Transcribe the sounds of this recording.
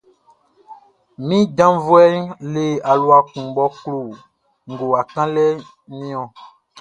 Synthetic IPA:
mĩ˦dã˦vo˦ɛ˦nle˨a˨lo˨a˨kũ˨ɡ͡bɔ˦klo˨ | ŋ̩˨ɡo˨a˨kã˦lɛ˦ | nĩ˦ɔ̃˨

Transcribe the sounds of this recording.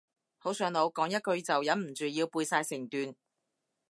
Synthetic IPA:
ho˨˥wsœː˨˥ŋlo˨˧wkɔː˨˥ŋjɐ˥t̚kɵ˧ɥt͡sɐ˨wjɐ˨˥nm̩˨˩t͡ʃyː˨jiː˧wpuː˧jsaː˧jsɪ˨˩ŋt̪yː˨˧n

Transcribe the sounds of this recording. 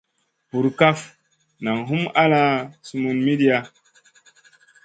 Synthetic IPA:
pu˨ɾka˦f | na˨ŋɦu˦ma˦la˦su˨˦mu˨nmi˦di˦a˨

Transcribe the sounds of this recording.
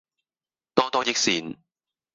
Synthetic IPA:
t̪ɔː˥t̪ɔː˥jɪ˥k̚siː˨˧n

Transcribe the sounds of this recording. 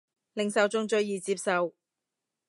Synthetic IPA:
lɪ˨ŋsɐ˨wt͡sʊ˧ŋt͡ʃɵ˧ɥjiː˨t͡siː˧p̚sɐ˨w

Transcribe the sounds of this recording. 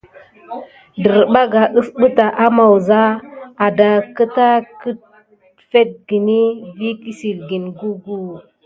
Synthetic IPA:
də˨ɾɓa˦ɡa˨ʔə˦sɓə˦ta˨ʔa˦ma˨wza˦a˨da˨kə˦ta˦kə˦t̚ | fe˦t̚ɡi˨ni˦vi˦ki˦si˨lɡi˨nɡu˦ɡu˦˨

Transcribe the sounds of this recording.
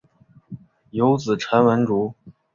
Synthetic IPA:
jo˧˥ʊt͡sɹ̩˨˩ʈ͡ʂʰə˧˥nwə˧˥nʈ͡ʂu˧˥

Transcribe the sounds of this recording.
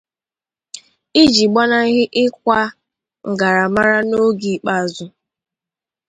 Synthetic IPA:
i˦d͡ʒi˨ɡ͡ba˦na˦ɣɪ˦ʔɪ˦k̚ʷa˦ | ŋ̩˨ɡa˨ɾa˨ma˦ɾa˦no˦ɡi˨k͡pa˦˨zʊ˦

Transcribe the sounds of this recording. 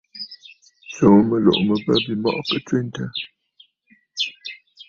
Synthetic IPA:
so˨˦˨mə˨lɔ̰˨ʔmə˨bə˦bi˨mɔ̰˦ʔkə˦twe˦n˦tə˦

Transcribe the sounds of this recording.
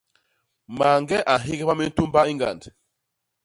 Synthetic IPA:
ma˨ŋɡɛ˦ʔa˨ɦi˦ɡɛ˦ba˦mi˦n̩˦tu˦m˦ba˦i˦ŋɡa̰˨nd

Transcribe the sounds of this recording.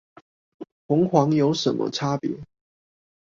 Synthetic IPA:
xʊ˨˦ŋxwɑ˧˥ŋjo˧˥ʊʂə˨˦nmʔə̰˦ʈ͡ʂʰa˥pjḭ˨˦

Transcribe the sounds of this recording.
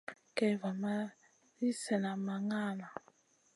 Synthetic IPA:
kɛ˨va˨ma˦ | i˦sɛ˨na˨ma˨ŋaː˦˨na˨

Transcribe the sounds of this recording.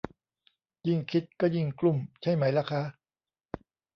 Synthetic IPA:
ji˧˩ŋkʰi˦˥t̪̚kɔː˥˩ji˧˩ŋklu˧˩mt͡ɕʰa˥˩jma˦˥jla˦˧˩kʰa˦˥ʔ

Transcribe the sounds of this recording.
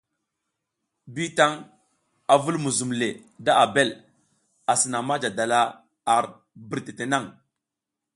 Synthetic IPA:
bi˦ta˦ŋ | a˨vu˦lmu˨zu˨mle˨ | da˦ʔa˨be˦l | a˨si˨na˨ma˦d͡ʒa˨da˨la˦ | a˨ɾ | bi˨ɾte˨te˨na˦˨ŋ

